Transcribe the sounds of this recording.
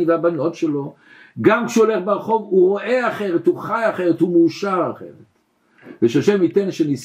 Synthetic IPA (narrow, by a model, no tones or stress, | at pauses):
veabano̞tʃelo̞ | ɡamkʃeole̞χbeʁχo̞vuʁo̞ʔe̞aχeʁet̪uχajaχeʁet̪umuːʃaʁaχḛʁet | veʃaʃemit̪enʃenis